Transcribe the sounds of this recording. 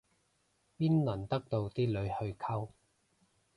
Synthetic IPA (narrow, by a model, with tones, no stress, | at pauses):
piː˥nlɐ˨˩nt̪ɐ˥k̚t̪o˧wt̪iː˥lɵ˨˧ɥhɵ˧ɥkʰɐ˥w